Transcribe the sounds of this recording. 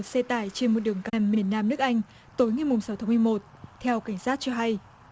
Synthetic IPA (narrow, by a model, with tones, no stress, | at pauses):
t̚sɛ˧t̪aː˧˩jt͡ɕe˧nmo˨˩t̚ɗɨ˨˩əŋka˧˩mːi˨˩ənːaː˧mnɨ˦˥ək̚ʔa˧jŋ̟ | t̪o˨˦jŋa˨˩jmʊ˨˩ŋ͡msa˨˦wt̪ʰa˨˦mɨ˧jmo˨˩t̚t̪ʰɛ˧wka˧˩jŋ̟saː˦˥t̚t͡ɕɔ˧ɦa˧j